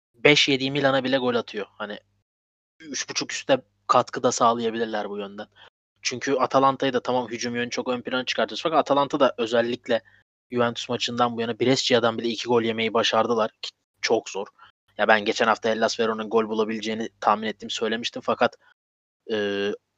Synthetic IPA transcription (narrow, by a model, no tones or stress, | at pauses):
bɛʃje̞d̪ijmilʲanabilʲɛɡo̞lʲat̪ʰɯjo̞hanɪ | yt͡ʃbut͡ʃʰuky̥st̪yd̪ɛ | kʰat̪kʰɯd̪asaːlˠɯjabilʲiɾlʲæɾbujø̞nd̪æn | t͡ʃʰyɲcʰyat̪ʰalˠant̪ʰajɯd̪at̪ʰamamɦyd͡ʒumjønyt͡ʃʰo̞kø̞npʰilʲanat͡ʃʰɯ̥kʰaɾt̪ɯosfakat̪at̪ʰalˠant̪ʰad̪aʔø̞zɛlʲːiclʲɛ | juvɛnt̪ʰy̥smat͡ʃʰɯnd̪anbujanabiɾɛsd͡ʒijad̪anbilʲɛicʰiɡo̞lʲje̞me̞jibaʃaɾd̪ɯlˠaɾ̥cʰi̥ | t͡ʃʰo̞kz̥o̞ɾ̥ | jabænɟe̞t͡ʃʰɛnhaft̪aɛlʲːasveɾo̞nunɡo̞lʲbulˠabilʲed͡ʒe̞jinit̪ʰaːminet̪ːiːmsø̞jlʲe̞miʃt̪ʰimfakʰat̪ | ɯː